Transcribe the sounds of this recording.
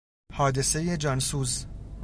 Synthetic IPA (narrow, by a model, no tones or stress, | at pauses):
hɒːd̪e̞se̞je̞d͡ʒɒːnsuːz